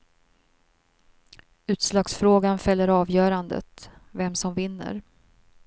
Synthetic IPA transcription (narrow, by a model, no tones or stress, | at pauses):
ʉ̟ːt̪slɑːɡsfɾoːɡanfɛljːəɾɑːvjœːɾand̪ə̰t̪vɛmsɔmvɪnːə̰ɾ